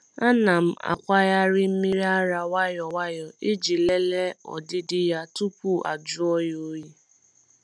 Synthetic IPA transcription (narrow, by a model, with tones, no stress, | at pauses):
a˦na˨m̩˦a̰˨kʷa˦ja˦ɾɪ˦m̩˦mi˦ɾi˦a˦ɾa˨wa˦jɔ˨wa˦jɔ˨e˦d͡ʒi˨le˦le˦ɔ̰˨dɪ˦dɪ˦ja˦tu˦kʷu˦˨ʔa̰˨d͡ʒʊ˦ɔ˦jo˦ji˦